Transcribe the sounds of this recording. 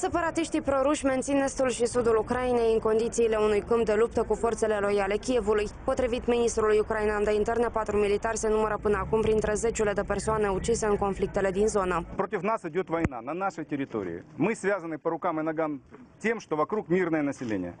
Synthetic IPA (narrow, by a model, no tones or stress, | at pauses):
se̞paɾat̪iʃt̪ipɾo̞ɾuʃʲme̞nt̪sine̞st̪ulʃisud̪ulukɾajine̞jɨŋko̞nd̪it̪siːle̞unujkɨmpd̪e̞lup̚t̪əkufo̞rt̪se̞le̞lo̞jale̞kʲije̞vulujpo̞t̪ɾivit̪mʲinist̪ɾulujukɾainand̪eint̪e̞rnepat̪ɾumʲilit̪arʲse̞numəɾəpɨnəakumpɾint̪ɾe̞ze̞t͡ʃulʲe̞d̪e̞pe̞rsoane̞ut͡ʃise̞ɨnŋko̞nflik̚t̪e̞le̞d̪inzo̞nəpɾo̞t̪ʲɪfnasɪdʲo̞t̪vɐjna̰nɐnaʂɨjtʲɪɾʲɪt̪o̞̰ɾʲɪ̰ɪ̰mɨsvʲazənɨpəɾʊkamɨnɐɡamtʲe̞mʂt̪o̞vɐkɾukmʲirnəjənəsʲɪlʲḛnʲɪ̰jə̰